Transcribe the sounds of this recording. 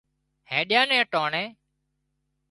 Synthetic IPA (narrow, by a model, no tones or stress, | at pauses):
hẽːɗɪjãːnẽːʈoːɳẽː